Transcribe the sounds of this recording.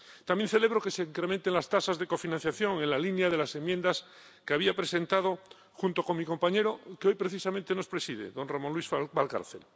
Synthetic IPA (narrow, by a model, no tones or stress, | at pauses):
t̪amje̞nθele̞β̞ɾokeseiŋkɾemẽnt̪enlast̪asazðe̞ko̞finãn̟θjaθjo̞ŋenlalinjaðelase̞mjend̪as | keaβiapɾesẽ̞nt̪að̞o | xunt̪oko̞ŋmiko̞mpaɲe̞ɾokeo̞jpɾeθisamẽnt̪eno̞spɾesið̞ḛðõ̞nramõnlwisbalka̰ɾθḛl